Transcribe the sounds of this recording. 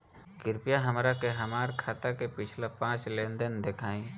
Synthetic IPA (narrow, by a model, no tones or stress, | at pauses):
ɡɪɾpijaɦəmɾakeɦəmaːɾkʰaːt̪akepɪt͡ʃʰlapãːt͡ʃlẽːnd̪ənd̪ekʰaːĩː